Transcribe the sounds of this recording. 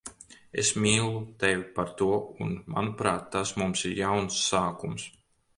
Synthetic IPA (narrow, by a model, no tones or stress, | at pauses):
ḛsmiːlˠut̪evʲipaɾt̪uɔṵnma̰nupɾaːt̪ːasmumsiɾjawnsːaːkums